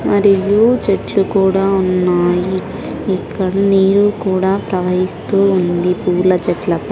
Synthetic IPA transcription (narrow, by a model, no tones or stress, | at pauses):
mɐɾijut͡ʃeʈlukuːɽaːunːaːjiː | kːɐɽɐniːɾukuːɽaːpɾɐʋɐɦist̪uːund̪ipuːlɐt͡ʃɛʈlɐpɐ